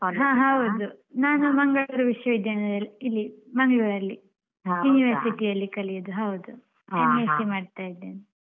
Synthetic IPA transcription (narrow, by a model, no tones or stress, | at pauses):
ɦaːɦɐud̪unaːnumɐŋɡɐɭɐɾuʋiʂjɐʋid̪jaːnɐd̪ɐlːiilːimɐŋɡɭuɾɐlːi | juːniʋɐɾsiʈijɐlːikɐɭijɐd̪uɦɐwud̪u | ɐnijɐsimaːɖ̚t̪aːjid̪ːeːni